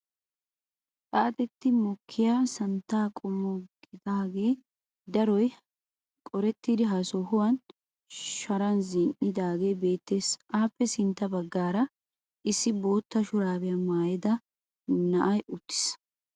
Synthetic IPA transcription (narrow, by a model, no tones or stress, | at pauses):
kʼaːt̪ʼɛt̪ːɪmɔkʰːɪjaːsɐnt̪ːaːkʼʊmːɔɡɪd̪aːɡe̞ː | d̪ɐɾɔj | kʼɔɾɛt̪ːiːd̪ɪɦɐsɔhʊwɐn | ʃɐɾɐnzɪʔɪd̪aːɡe̞jbe̞ːt̪ːe̞ːsʔaːpːɛsɪnt̪ːɐbɐɡːaːɾɐ | ʔɪsːɪbo̞ːt̪ːɐʃʊɾaːbɪjɐmaːjɛd̪ɐ | nɐʔɐjʊt̪ːɪ̥s